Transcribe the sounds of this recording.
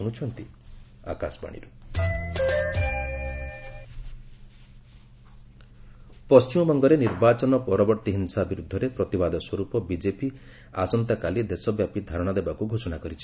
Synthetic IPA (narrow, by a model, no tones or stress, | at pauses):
uɽ̃ut͡ʃʰɔnt̪i | a̰ka̰sɔba̰ɽ̃ḭɾu | pɔst͡ʃimɔbɔŋɡɔɾeniɾbat͡ʃɔnɔpɔɾɔbɔɾt̪iɦinsabiɾud̪ʱːɔɾepɾɔt̪ibad̪ɔswɔɾupɔbid͡ʒepi | a̰sɔnt̪akalid̪esɔbjapid̪ʱaɾɔɽ̃ɔd̪ebakuɡʱosɔnakɔɾit͡ʃʰi̥